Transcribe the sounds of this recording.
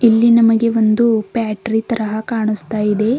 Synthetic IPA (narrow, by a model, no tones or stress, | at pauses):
ilːinɐmɐɡe̞ʋo̞nd̪upaːʈɾit̪ɐɾɐɦɐkaːɳust̪aːjid̪e̞